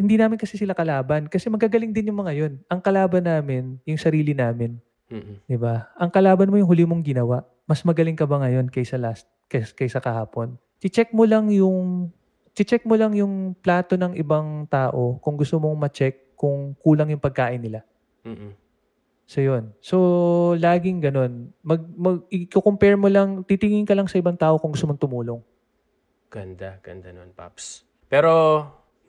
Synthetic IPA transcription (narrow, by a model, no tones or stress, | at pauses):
hɪnd̪iːnaːmɪnkɐsɛsɪlakɐlaːbɐnkɐsɛmɐɡaɡɐlɪŋd̪ɪnjʊŋmɐŋɐjo̞nʔɐŋkɐlaːbɐnːaːmɪnjʊŋsɐɾiːlɪnaːmɪn | d̪ɪbaʔɐŋkɐlaːbɐnmo̞jʊŋɦʊlɪmoŋɡɪnɐwaʔ | mɐsmɐɡɐlɪŋkɐbaŋɐjo̞nkɐjsɐlast̪̚kɐkɐjsɐkɐhaːpo̞n | kɪt͡ʃɛk̚molɐŋjʊŋ | t͡ʃɪt͡ʃɛk̚molɐŋjʊŋplaːt̪o̞nɐŋʔɪbaŋt̪aːʔo̞kʊŋɡʊst̪omo̞ŋmɐt͡ʃɛkːʊŋkuːlɐŋjʊŋpɐɡ̚kaːʔɪnːɪla | m̩ː | sojo̞nso̞laːɡɪŋɡɐno̞nmɐɡ̚mɐɡ̚ɪkokompɛɹmolɐŋt̪it̪ɪŋɪŋkɐlɐŋsɐʔɪbaŋt̪aːʔo̞kʊŋɡʊst̪omoŋt̪ʊmuːlo̞ŋ | ɡ̥ɐnd̪aɡ̥ɐ̰nd̪ɐnonpa̰ps | pɛːɾo